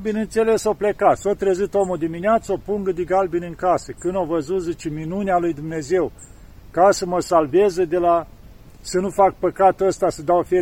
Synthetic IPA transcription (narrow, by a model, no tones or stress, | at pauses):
binɨnt̪se̞le̞soplekat̪sot̪ɾezɨt̪omud̪imineat̪sopuŋɡəd̪iɡalbinɨŋkasəkɨnovəzut̪zet͡ʃeminunealujd̪umne̞ze̞w | kasəməsalvezəd̪ela | sənufak̚pəkat̪uəst̪asəd̪awfe